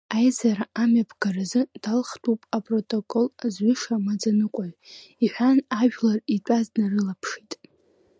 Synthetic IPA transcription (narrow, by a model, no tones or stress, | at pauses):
ajzaɾaamapʰɡarazɨd̥alχtʰʼupʼapʼrotʼokʼolzʕʷʏʂamad͡zanɨkʷʼaʕʷiħʷᶣanaʒᶣlaritʼaznarɨlapʰʂitʼ